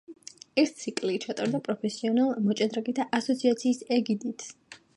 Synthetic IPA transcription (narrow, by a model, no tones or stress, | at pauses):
ɛst̪sʰikʼlit͡ʃʰat̪ʼaɾd̪apʼɾɔpʰɛsiɔnalˠmɔt͡ʃʼɛd̪ɾaɡit̪ʰaʔasɔt̪sʰiat̪sʰiːsɛɡid̪it̪ʰ